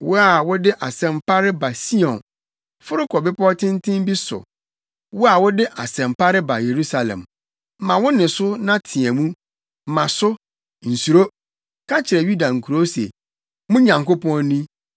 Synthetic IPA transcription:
wʊ˦a˨wʊ˦dɪ˦ʔa˨sɛ̃˨m˦pʰa˦ɾɪ˦ba˨si˦ɔ̃˨n | fʊ˦ɾɪ˦kʰɔ˨bɪ˦pʰɔ˦tʰɪ̃˦ntʰɪ̃˦m˦bi˦sʊ̰˨ | wʊ˦a˨wʊ˦dɪ˦ʔa˨sɛ̃˨mpa˦ɾɪ˦ba˨je˨ɾu˦sa˨lɛ̰̃˨m | m̩˨mã˨wʊ̃˦nɪ̃˨sʊ˦nã˦tʰɪ̃˨ɛ̃˨mũ˦ | m̩˨mã˨sʊ˦ | n̩˨su˨ɾo˦ | kʰa˦t͡ɕʰɪ˨ɾɛ˨ju˦da˨ŋ̩˨kʰu˨ɾo˦sḛ˨ | mʊ̃˦ɲã˨ŋko˦pʰɔ̃˦nːĩ˦

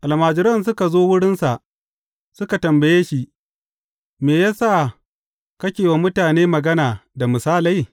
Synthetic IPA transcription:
ʔa˨lmaː˨d͡ʒɪ˦ɾɐ˦ns̬ʊ˦ka˨zoː˦wʊ˦ɽɪ˦nsa˨ʔ | sʊ˦ka˨tɐ˨mbɐ˨jeː˦ʃi˦ | meː˨jaː˦sa˦˨ | kɐ˦kʲeː˨wa˨mʊ˦taː˨neː˦mɐ˨ɡɐ˦naː˨da˨mʊ˨saː˦la˦j

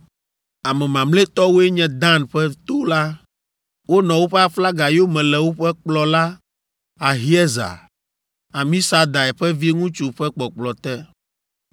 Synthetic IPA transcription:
a˨mɛ̃˨mã˨mle˦t̪ɔ˦wo˦ɛ˦ɲɛ̃˦d̪ã˦˨nɸɛ˦t̪o˦la˦ | wo˦nɔ̃˨wo˦ɸɛ˦a˨fla˦ɡa˨jo˦mɛ̃˨lɛ˨wo˦ɸɛ˦k͡plɔ˨la˦ | a˨ɦi˦ɛ˦za̰˨ | a˨mĩ˦sa˦d̪a˨ɛ˨ɸɛ˦vi˦ŋũ˦t͡ʃu˨ɸɛ˦k͡pɔ˨k͡plɔ˨t̪ɛ˦

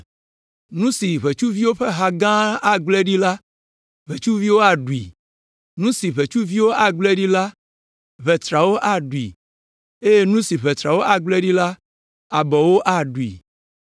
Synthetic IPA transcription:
nũ˦si˨βe˨t͡ʃu˦vi˦wo˦ɸe˦ɦa˨ɡã˦a˨ɡ͡blɛ˦ɖi˦la˦ | βe˨t͡ʃu˦vi˦wo˦a˨ɖu˨ḭ˨ | nũ˦si˨βe˨t͡ʃu˦vi˦wo˦ʔa˨ɡ͡blɛ˦ɖi˦la˦ | βɛ˨t̪ɾa˨wo˦ʔa˨ɖu˨ḭ˨ | e˦je˦nũ˦si˨βɛ˨t̪ɾa˨wo˦ʔa˨ɡ͡blɛ˦ɖi˦la˦ | a˨bɔ˨wo˦ʔa˨ɖu˨ḭ˨

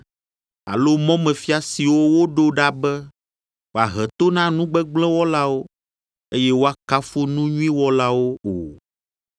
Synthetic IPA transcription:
a̰˨lo˦mɔ̃˦mɛ̃˨fi˦a˨si˨wo˦wo˦ɖo˦ɖa˦bɛ˦ | wo˨a˨ɦɛ˨t̪o˦nã˦nũ˦ɡ͡bɛ˦ɡ͡blɛ̃˦wɔ˦la˦wo˦ | e˦jɛ˦wo˦a˦ka˦fo˦nũ˦ɲũ˦ĩ˦wɔ˦la˦wo˦o˨

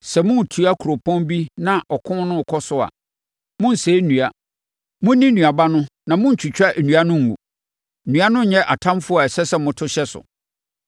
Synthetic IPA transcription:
sɛ˨mʊ̃˦n̩˨tʰu˨˦a˦kʰu˨ɾo˨pʰɔ̃˦mbi˦nã˨ʔɔ˨kʰʊ̃˦n˦nʊ̃˦˨kʰɔ˦sʊ˦a̰˨ | mʊ̃˦n̩˨se˨˦nũ˨a˨ | mʊ̃˦nĩ˦nũ˨a˨ba˦nʊ̃˦nã˨mʊ̃˦n̩˨t͡ɕʰᶣu˨t͡ɕᶣa˦ʔe˨nũ˨a˦nʊ̃˦ŋ̩˨ɡṵ˨ | nũ˨˦a˦nʊ̃˦˨ɲɛ̃˦ʔa˨tʰã˦mfʊ˦ɔ˨ɛ˨sɛ˦sɛ˨mʊ̃˦tʰʊ˦ɕɛ˦sʊ̰˨

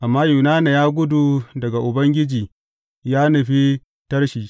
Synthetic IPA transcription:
ʔa˨mːaː˦juː˨naː˦ne˨jaː˦ɡʷʊ˦du˨dɐ˨ɡa˨ʔʊ˨bɐ˦ŋɡʲɪ˦d͡ʒiː˨ | jaː˦nɐ˨ɸi˦ | tɐ˦rʃiː˨

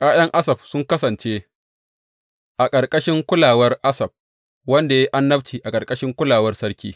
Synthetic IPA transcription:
kʼaː˦jɐ˦ŋʔa˦sɐ˨b̚sʊ˦ŋkɐ˦sɐ˨nt͡ʃe˦ | ʔa˨kʼɐ˨rkʼɐ˦ʃɪ˦ŋkʷʊ˦laː˨wɐ˦rʔa˦sɐ˨b̚ | wɐ˦nda˨ja˦ʔa˦nːɐ˦bt͡ʃiː˨ʔa˨kʼɐ˨rkʼɐ˦ʃɪ˦ŋkʷʊ˦laː˨wɐ˦rsɐ˦ɽkʲḭː˦

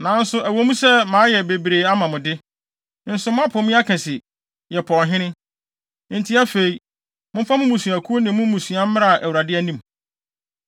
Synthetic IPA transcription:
nã˨˦n̩˦sʊ˦ʔæ˨wo˦mũ˦sɛ˦mãː˨˦jɛ˨be˨bɾe˨a˦mã˨mʊ̃˨dɪ˦ | n̩˦sʊ˨mʊ̃˦a˦pʰɔ˨mĩ˦a˦kʰɛ̃˨sɪ˨ | jɛ˨pʰɔ̃˨nɦɪ̃˦nɪ̃˦ | n̩˨tʰi˦a˦fe˨i˨ | mʊ̃˦fa˦mʊ̃˦mũ˨su˨æ˨kʰu˦o˦nɪ̃˨˦mʊ̃˦mũ˨sũ˨a˦m˦ɾa˦˨ʔæ˨wu˨ɾa˨dɪ˦æ˦nĩ˦m

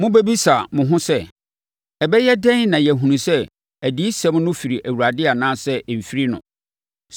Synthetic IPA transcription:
mʊ̃˦bæ˦bi˦sa˨mʊ̃˨ɦʊ̃˦sɛ˦ | ɛ˨bɛ˦jɛ˦dɛ̃˦nã˨jɛ˨ɦũ˨nũ˨sɛ˦ | æ˨di˨˦i˦sɛ̃˦mnʊ̃˦fi˨ɾi˨ʔæ˨wu˨ɾa˨dɪ˦a˨nãː˦sɛ˦˨m̩˨fi˦ɾi˦nʊ̰̃˨

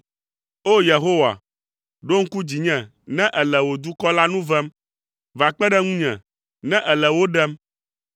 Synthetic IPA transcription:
o˦je˨ɦo˦wa̰˨ | ɖo˦ŋ̩˦ku˦d͡ʑi˨ɲɛ̃˨ | nɛ̃˦ʔɛ˨lɛ˨wo˨d̪u˦kɔ˦la˦nũ˦vɛ˦m | va˨k͡pɛ˦ɖɛ˦ŋũ˦ɲɛ̰̃˨ | nɛ̃˦ʔɛ˨lɛ˨wo˦ɖɛ˦m

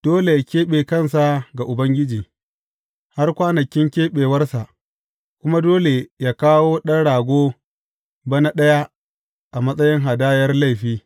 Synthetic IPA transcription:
d̥oː˦le˨kʲeː˦ɓeː˨kɐ˦˨nsa˨ɡa˨ʔʊ˨bɐ˦ŋɡʲɪ˦d͡ʒiː˨ | ha˦rkʷaː˦nɐ˨kʲɪ˦ŋkʲeː˦ɓeː˨wɐ˦rsa˨ʔ | kʷʊ˦ma˦doː˦le˨jaː˦kaː˦woː˦ɗɐ˦nɽaː˨ɡʷoː˦ | bɐ˦na˦ɗɐ˦ja˦ | ʔa˨mɐ˦sʼɐ˦jɪ˦ŋɦa˨daː˦jɐ˦rla˦˨jɸiː˦

